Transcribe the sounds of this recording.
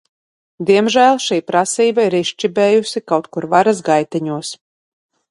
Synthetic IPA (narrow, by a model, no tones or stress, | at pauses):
d̪ʲiɛmʒæːlˠʃiːpɾasiːbaiɾiʃt͡ʃibɛːjusikawt̪kuɾvaɾazɡajt̪ɛɲuɔs